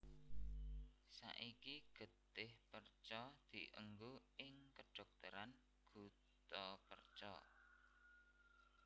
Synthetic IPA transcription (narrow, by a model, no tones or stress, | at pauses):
sa̰ʔikiɡ̥ə̤t̪ɪhpərt͡ʃɔd̪̥i̤ʔə̰ŋɡuɪŋkəɖ̥ɔ̤k̚t̪əɾan | ɡ̥ṳt̪ɔpərt͡ʃɔ̰